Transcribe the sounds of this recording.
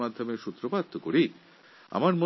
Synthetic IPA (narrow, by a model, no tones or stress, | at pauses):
mad̪ʱːomeʃut̪ːɾobat̪ʰːokoɾi | a̰maɾmo